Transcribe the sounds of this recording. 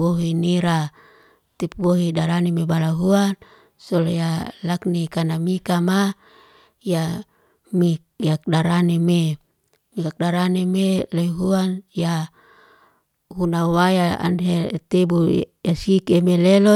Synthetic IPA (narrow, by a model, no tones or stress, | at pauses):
woɦiniɾa | t̪ip̚woɦidaɾanemebalaɦuan | soljalaknikanamikama | ja | mikjak̚daɾaneme | mikak̚daɾanemeleɦuanja | hunawajaa̰nɦet̪ebujasikemelelo